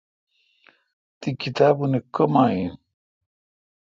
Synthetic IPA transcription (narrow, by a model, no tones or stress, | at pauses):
t̪ikit̪aːbunekomaːin